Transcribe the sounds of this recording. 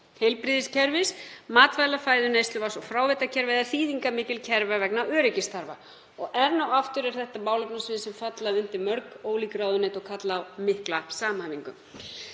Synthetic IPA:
hejlpɾiːðɪscʰɛɾvɪsmaːt̪vaːjlafaːjðʏnejst̪lʏvasɔɣfɾaːwvet̪acʰɛɾvɛðaθiːðiŋkamɪːcɪlcʰɛɾvavɛknawœːɾɪcɪst̪ʰaɾva̰ | ɔɣɛɾnawaft̪ʏɾɛɾ̥θɛht̪amaːwlʏpnasvɪːðɪsɛmfat̪laʏn̥t̪ɪmœɾkoːwlikɾawðʏnejt̪ɔɣkʰat̪laːwmɪhklasaːmanːiŋkʏm

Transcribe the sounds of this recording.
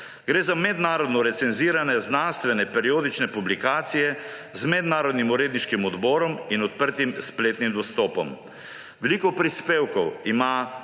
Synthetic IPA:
ɡɾeːzamɛd̪naːɾɔd̪nɔɾɛt̪sɛnziːɾanɛznanst̪ʋɛnɛpɛɾioːd̪it͡ʃnɛpublikaːt̪sijɛzmɛd̪naːɾɔd̪nimuɾeːd̪niʃkimɔd̪bɔːɾɔminɔt̪̚pəɾt̪imspleːt̪nimd̪ɔst̪ɔːpɔ̰m | ʋɛlikɔpɾispeːwkɔwima

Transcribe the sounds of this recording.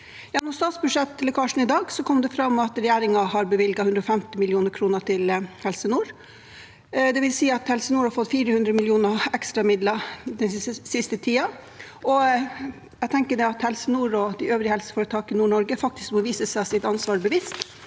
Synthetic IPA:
jɑːnɔst̪ɑːt̪sbʉʂɛt̪ːlʊkʰɑːʂn̩ɪd̪ɑːɡsɔkʰɔmːd̪ɛfɾɑmɑt̪ɾɛjæːɾɪŋɑɦɑɾbəʋɪlɡɑhʉnd̪ɾɔfɛmt̪ɪmɪljuːnəɾkʰɾuːnəʈɪlhɛlsənuːɾ | d̪ɛʋɪlsiːɑt̪hɛlsənuːɾhɑɾfɔt̪ːfiːɾəhʉnd̪ɾəmɪljuːnəɛkst̪ɾɑmɪd̪lɑd̪ɛnsɪst̪ət̪ʰiːɑ | ɔ | jɛɡt̪ʰɛŋkəɖɛɑt̪hɛlsənuːɾɔd̪ɛøːʋɾɪəhɛlsə̥fɔːɾət̪ʰɑːkɪnuːɳɔɾɡəfɑk̚t̪ɪ̥sk̚bəʋiːsəsæsɪt̪ɑnsʋɑːɾbəʋist̪

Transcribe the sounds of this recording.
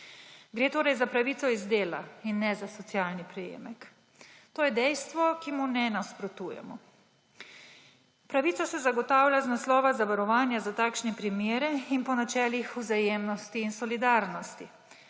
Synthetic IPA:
ɡɾeːt̪oːɾɐjzapɾaʋiːt̪sɔizd̪eːla̰inːɛzasɔt̪sjaːlnipɾɛjḛːmɛk | t̪oːjɛd̪ɛjst̪ʋɔkimunɛnaspɾɔt̪uːjɛ̰mɔ | pɾaʋiːt̪sasɛzaɡɔt̪aːwljaznaslɔːʋazaʋaɾɔʋaːnjazat̪aːkʃnɛpɾimjeːɾɛinpɔnat͡ʃɛːlixuzajeːmnɔst̪iːnsɔlid̪aːɾnɔst̪i

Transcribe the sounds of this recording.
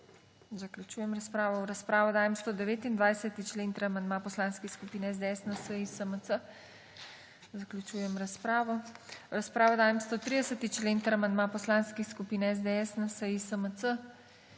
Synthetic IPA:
zaklʲjut͡ʃuːjɛmɾaspɾaːʋɔwɾaspɾaːʋɔd̪aːjɛmst̪od̪ɛʋeːt̪ind̪ʋajsɛt̪it͡ʃleːnt̪əɾamand̪mapɔslaːnskixskupiːnɛɛzd̪ɛɛsnasəjisəməsə | zaklʲut͡ʃuːjɛmɾaspɾaːʋɔɾaspɾaːʋɔd̪aːjɛmst̪ot̪ɾid̪ɛsət̪it͡ʃlent̪əɾamand̪mapɔslaːnskixskupiːnɛɛzd̪ɛɛsnasəjisəmət͡s̪ə

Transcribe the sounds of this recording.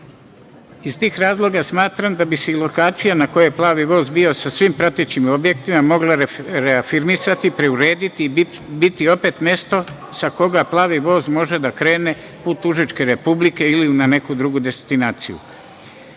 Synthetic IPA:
izt̪iːxɾaːzlˠo̞ɡasmaːt̪ɾamd̪abiseilo̞kaːt̪sijanako̞jeeplˠaːʋiʋo̞ːzbio̞sasʋimpɾat̪et͡ɕimo̞bje̞kt̪imamo̞ɡlˠaɾeafiɾmisat̪ipɾe̞uɾe̞ːd̪it̪iː | bit̪io̞pe̞t̪mje̞st̪o̞ | sako̞ɡaplˠaːʋiʋo̞ːzmo̞ʒe̞d̪akɾe̞ːne̞ | puːt̪uʒit͡ʃke̞ɾe̞publike̞ilinane̞kud̪ɾuɡud̪e̞st̪inaːt̪sḭjṵ

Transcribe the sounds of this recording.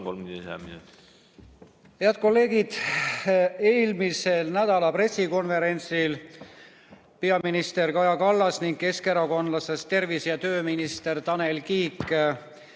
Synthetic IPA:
ko̰md̪sḛminut̪i̥ | he̞ɑd̪̥̚ko̞lːe̞ːɡid̪̥ | e̞ːlmise̞lnæd̪̥ɑlɑpre̞sːiko̞nve̞ɾe̞nʲsil | pe̞ɑminist̪e̞rkɑjɑkɑlːɑsniŋɡ̥ke̞ske̞ɾɑko̞nlɑse̞st̪e̞rvisjɑt̪ø̞ːminist̪e̞rt̪ɑne̞lkiːkˑ

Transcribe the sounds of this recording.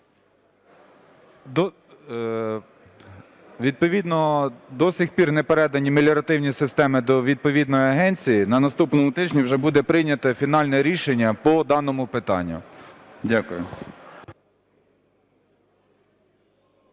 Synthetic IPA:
d̪ɔ | ʋʲid̪̚pɔʋʲid̪nɔd̪ɔsʲixpʲirnɛpeɾɛd̪ɐnʲimelʲɔɾɐt̪ɪwnʲisɪst̪ɛmɪd̪ɔʋʲid̪̚pɔʋʲid̪nɔjiɐɦɛnʲt͡sʲijinɐnɐst̪upnɔmʊt̪ɪd͡ʒʲnʲiwʒɛbud̪ɛpɾɪjnʲɐt̪ɐfʲin̪ɑlʲnɛɾʲiʃenʲːɐpɔd̪ɑnɔmʊpɪt̪ɑ̰nʲːʊ̰dʲakʊjʊ

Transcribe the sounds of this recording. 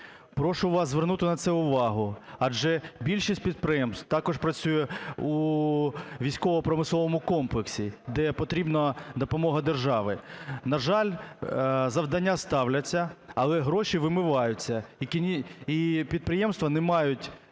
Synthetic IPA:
pɾɔʃʊʋɑszʋernut̪ɪnɐt̪sɛʊʋɑɦʊɐd͡ʒɛbʲilʲʃisʲt̚ʲpʲid̪̚pɾɪjɛmst̪t̪ɑkɔʃpɾɐt͡sʲujɛu | ʋʲijsʲkɔʋɔpɾɔmɪsˠɔʋɔmʊkɔmplˠeksʲid̪ɛpɔt̪ɾʲibnɐd̪ɔpɔmɔɦɐd̪erʒɑʋɪnɐʒɑlʲ | zɐʋd̪ɐnʲːast̪ɑwlʲɐt͡sʲːɐɐlˠɛɦɾɔʃiʋɪmɪʋɑjʊt͡sʲːɐikinʲiipʲid̪̚pɾɪjɛmst̪ʋɐnɛmɑjʊtʲ

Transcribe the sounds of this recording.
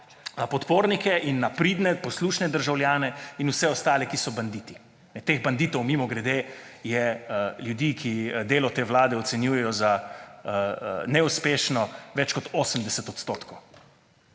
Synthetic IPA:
napɔt̪poːɾnikɛʔinːapɾiːd̪nɛpɔsluːʃnɛd̪əɾʒawljaːnɛinusɛɔst̪aːlɛkisɔband̪it̪i | nɛt̪eːɣband̪iːt̪ɔwmimɔɡɾɛd̪eː | jɛljud̪ikʰid̪eːlɔt̪eːwlaːd̪ɛɔt̪sɛnjujɛjɔza | nɛuspeːʃnɔʋɛt͡ʃkɔt̪oːsəmd̪ɛsɛt̪ɔt̪st̪ot̪kɔw

